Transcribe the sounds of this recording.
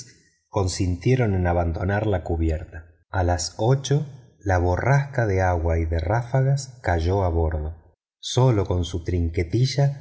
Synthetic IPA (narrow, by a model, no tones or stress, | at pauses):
ko̞nsint̪je̞ɾo̞ne̞naβand̪o̞naɾlakuβjeɾt̪a | alaso̞t͡ʃo̞ | laβo̞raskaðeaɣwaiðerafaɣaskaʒo̞aβo̞ɾðo̞ | so̞lo̞ko̞nsut̪ɾiŋket̪iʒa